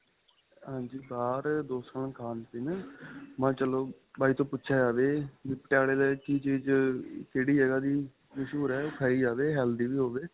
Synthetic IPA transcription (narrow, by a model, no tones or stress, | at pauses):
ɦãːɲd͡ʒiːbaːɾd̪oːsə̃ːkʰaːnpɪnmãːt͡ʃəloː | baːiːt̪õːpʊtːʃʰjaːd͡ʒaːʋeːbiːpəʈjaːɽeːleːt͡ʃiːd͡ʒd͡ʒkeːɽiːɦɛːɡaːd̪iː | məʃuːɾɛːkʰəiːd͡ʒaːʋeːɦɛːld̪iːʋiːɦoːʋeː